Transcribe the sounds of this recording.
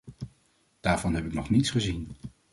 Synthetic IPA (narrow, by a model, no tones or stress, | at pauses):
d̥aːɹv̥ɑnɦɛpɪknɔχnitsχəzin